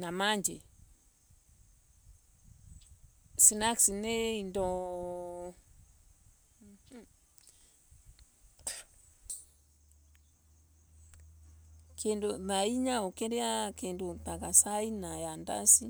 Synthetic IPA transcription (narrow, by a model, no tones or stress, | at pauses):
namaɲd͡ʒe | sinaksineindɔ | kʰendonaiɲaokɛɾɛakendotakasainajanda̰si